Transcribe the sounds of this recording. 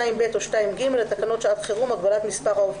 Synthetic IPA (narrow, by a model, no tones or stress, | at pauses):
aimbet̪oʃtaimɡimelet̪akano̞tʃat̪χiʁumaɡbalat̪mispaʁau